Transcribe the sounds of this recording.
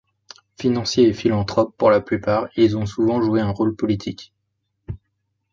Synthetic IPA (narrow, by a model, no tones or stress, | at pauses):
finɑ̃sjeːfilɑ̃t̪χɔpːuʁlaplypaːʁilzɔ̃suvɑ̃ʒueɛ̃ʁolpɔlit̪ʰik